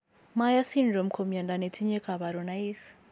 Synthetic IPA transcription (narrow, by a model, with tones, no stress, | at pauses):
ma˦ja˦si˦nd͡ʒɔ˨m̩˨kʰo˨m˨a˨nda˨ne˨tʰi˦ɲɛ˦kʰʼa˨βa˨ɾɔ˨na˦i˦s